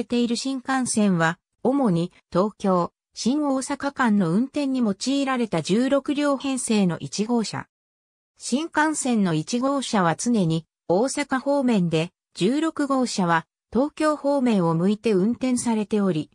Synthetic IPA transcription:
et̪e̞iɾɯ̟ɕĩŋkãɰ̃sẽ̞ɰ̃βa | o̞mo̞ɲ̟i | t̪o̞ːkʲo̞ː | ɕĩŋoːsakakãnːo̞ɯ̟̃nt̪ẽ̞ɲ̟ːimo̞t͡ɕiːɾaɾe̞t̪ad͡ʑɨːɾo̞kɯ̟ɾʲjo̞ːhẽ̞ɰ̃se̞ːno̞̰ʔit͡ɕiɡo̞ːɕa̰ | ɕĩŋkãɰ̃sẽ̞nnːo̞it͡ɕiɡo̞ːɕaβ̞at͡sɨne̞ɲ̟i | o̞ːsakaho̞ːmẽ̞nd̪e̞ | d͡ʑɨːɾo̞kɯ̟ɡo̞ːɕaβ̞a | t̪o̞ːkʲo̞ːho̞ːmẽ̞ɰ̃o̞mɯ̟it̪e̞ɯ̟̃nt̪ẽ̞ɰ̃saɾe̞t̪e̞o̞ɾʲi

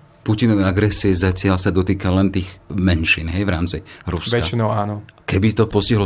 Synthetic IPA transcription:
pucinɔʋɛaɡɾɛsiɛzacɪalsad̪ɔt̪iːkalɛnt̪iːɣmɛnʃiːnɦɛjʋɾaːmt͡siɾuskʋɛkainɔaːnɔkɛbit̪ɔpɔsciɦlɔ

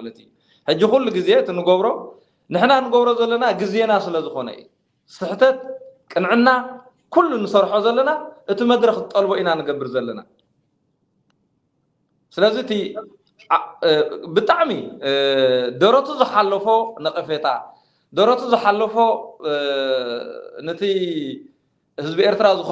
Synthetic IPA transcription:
lɐt̪ijːu | ħɨd͡ʒːixulːuɡizeɨt̪ʰinɨɡoβɾo̞ | nɨħnanɨɡoβɾo̞zɐlːɐnaɡize̞nasɨlɐzɨxo̞nɐ̰ɨ̰jːu | sɨħt̪ʰɐt̪̚kʼɨnʕɨnːa | kʰulːunɨsɐɾħozɐlːɐnaʔɨt̪ʰimɐd̪ɾɐxɨt̪ʼɐlboʔinanɨɡɐbːɨɾzɐlːɐna̰ | sɨlɐzit̪ʰi | bɨt̪ʼaʕmi | d̪ɐɾot̪ʰuzɨħalːɐfo̞nɐxʼɨfet̪ʰa̰ | d̪oɾot̪ʰuzɨħalːɐfo̞ | nɐt̪ʰi | hɨzbie̞ɾt̪ɾazɨx

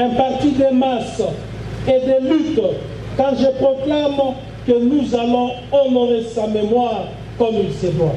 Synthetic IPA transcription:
ɛ̃paʁt̪id̪emas | ed̪elyt̪ | kɑ̃ʒəpʁɔklam | kənuzalɔ̃ | ɔnɔʁesamemwaʁ | kɔmilsevɔ̃

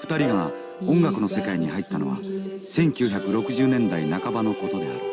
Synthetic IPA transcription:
ɸɯ̟̥t̪aɾʲiɡa | õ̞ŋɡakɯ̟no̞se̞kaiɲ̟ihait̪ːano̞̰βa̰ | sẽ̞ŋkʲɨːçakɯ̟ɾo̞kɯ̟ʑɨːnẽ̞nd̪ainakabano̞ko̞t̪o̞d̪e̞a̰ɾɯ̟

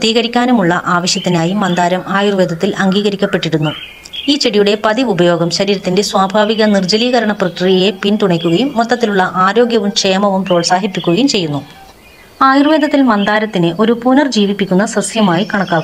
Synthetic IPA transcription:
pt̪iːɣɐɾikʲːaːnumuɭːɐʔaːʋɐɕjɐt̪ːinaːjumːɐnd̪aːɾɐmaːjurʋeːd̪ʱɐt̪ːilɐŋɡiːɣɐɾikʲːɐpːe̞ʈːiɽunːu | iːt͡ɕeɽijuɽe̞pɐðiʋubɐjo̞ːɡɐmɕɐɾiːɾɐt̪ːinde̞swaːbʱaːʋiɣɐnird͡ʑɐliːɣɐɾɐɳɐprɐkrijɐje̞pint̪uɳɐkʲːuɣɐjumːot̪ːɐt̪ːiluɭːɐʔaːɾo̞ːɡjɐʋumkejmɐʋumpoːɭsaːɦipːikʲːuɣɐjumt͡ɕe̞jːunːu | aːjurʋe̞ːd̪ʱɐt̪ːilmɐnd̪aːɾɐt̪ːineʔo̞ɾupunɐrd͡ʑiːʋipːikʲːunːɐsɐsjɐmaːjikɐɳɐkːaːkːu

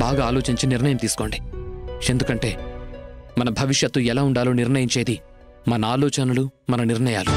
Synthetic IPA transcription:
baːɡaːlo̞ːt͡ʃiɲt͡ʃiniɾnɐjɐmt̪iːsu̥ko̞ːɳɖie̞nd̪ukɐɳʈe̞ː | mɐnɐbʱɐʋiʂjɐt̪luɛlaːuɳɖaːlo̞ːniɾɳɐjiɲt͡ʃe̞ːd̪i | mɐnɐaːlɔːt͡ʃɐnɐlumɐnɐniɾɳɐjaːlu

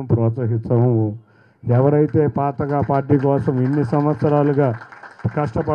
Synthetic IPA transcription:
ɐmpɾɔːt̪sɐɦisɐʋuo | ɛʋɐɾɐjit̪e̞ːpaːt̪ɐkaːpaːɾʈ̬iːk̬ɔːsɐmiɳːisɐmʋɐt̪sɐɾaːluɡaːkɐʂʈɐpɐ

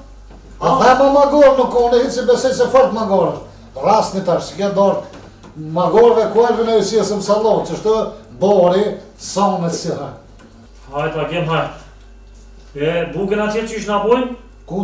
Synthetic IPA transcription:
at̪amamaɡɔɾnukːɔnɛhisibɛsɛjsɛfɔɾt̪maɡɔɾə | rasnit̪aʃsikɛd̪ɔɾ | maɡɔɾvɛkwɛɾðinɛisiɛsəmsalˠɔt͡ʃəʃt̪əbɔɾi | sɔnɛsiɾɛ | ajt̪aɡɛmɦaj | ɛbuɡənat̪ɛt͡ʃiʃnabujn | ku

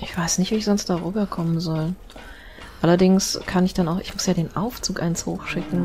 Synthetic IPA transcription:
ʔɪçv̥aɪsnɪçtviːɪçz̥ɔnstd̥aːʁyːbɐkʰɔmənzɔl | ʔalɐdɪŋskʰanɪçd̥anaʊxɪçmʊsjaːdeːnʔaʊft͡suːkʔa̰ɪnsho̰ːxʃɪkŋ̩

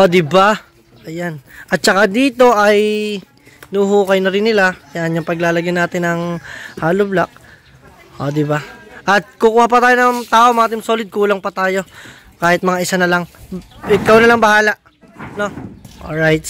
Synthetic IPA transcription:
ʔod̪ɪba | ʔɐjanʔɐt̪̚t͡ʃɐkad̪iːt̪o̞ʔɐj | nʊhuːkɐjnɐɾɪnːɪlajaʔɐnjʊŋpɐɡlaːlɐɡjanaːt̪ɪnɐŋhaːlʊblak̚ | ʔoːd̪ɪbaʔɐt̪̚kukuːhapɐt̪aːjonɐt̪aːʔo̞mɐaːt̪̬ɪmso̞ːlɪd̪̚kuːlɐŋpɐt̪aːjo̞ | kaːhɪt̪̚mɐŋaʔɪsanɐlaŋʔɪkawnɐlaŋbɐhaːlaʔ | no̞ʔo̰lɹajt̪

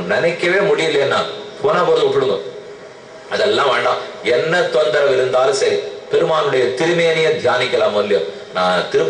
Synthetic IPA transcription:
nɪnɐɪkːɐʋeːmʊɽɪjɪlːɐɐnːa̰ːpoːnɐːpɐːðɯpɪɽɯŋɡɐ | ɐðɛlːãːʋeːɳɖã̰ːɛnːɐt̪oːnd̪ɐɾɐʋɪɾɯnd̪aːlɯ̃sɐɾipɛɾɯmaːnɯɽɐjɐt̪ɪɾɯmɐjɐnɪjɐd̪ʱjaːnɪkʲːɐlãːmʋɐlːɪjɐ̰̃ | nãːt̪ɪɾɯ

